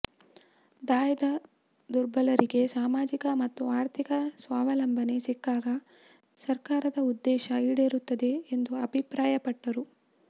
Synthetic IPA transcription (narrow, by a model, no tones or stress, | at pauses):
d̪aːjɐd̪ɐ | d̪uɾbɐlɐɾiɡe̞saːmaːd͡ʒikɐmɐt̪ːuaːɾt̪ʰikɐsʋaːʋɐlɐmbʱɐne̞sikːaːɡɐ | sɐɾkaːɾɐd̪ɐud̪ːɛːʃɐiːɽeːɾut̪ːɐd̪e̞ːnd̪uɐbʱipɾaːjɐpɐʈːɐɾu